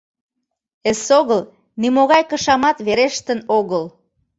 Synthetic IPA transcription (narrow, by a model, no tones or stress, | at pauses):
esoɣəl | nimoɣɑjkəʃɑmɑt̪βeɾeʃt̪ənoɣəl